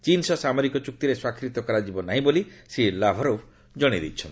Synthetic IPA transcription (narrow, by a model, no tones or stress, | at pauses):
t͡ʃinsɔsamɔɾikɔt͡ʃuk̚t̪iɾeswakʰɾit̪ɔkɔɾad͡ʒibɔnaɦĩbolisilabʱɔɾopʰ | d͡ʒɔɽ̃id̪ḭt͡ʃʰɔnt̪i